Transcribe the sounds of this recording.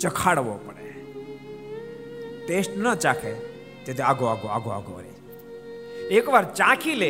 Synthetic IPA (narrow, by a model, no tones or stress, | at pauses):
t͡ʃɐkʰaːɽʋopəɽḛ | t̪eːsʈnat͡ʃaːkʰe | t̪eːd̪eaːɡoaːɡoaːɡoa̰ːɡo̰ɾḛː | eːkʋaːɾt͡ʃãːkʰiːleː